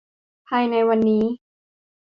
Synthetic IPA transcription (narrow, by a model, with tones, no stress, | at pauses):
pʰaː˧jna˧jwa˧nːiː˦˥